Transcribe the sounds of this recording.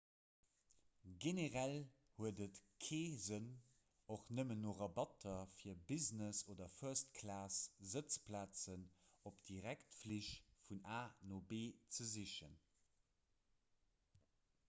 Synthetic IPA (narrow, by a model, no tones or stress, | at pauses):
ɡeneʁæl | huədətkʰeːzən | oχnəmənːoːʁɑbɑtʰɐfiːɐbiznəsoːdɐfœɐst̚kʰlaːszət͡splaːt͡sənopd̥iʁæktfliʃfunaːnoːbeːt͡səziʃən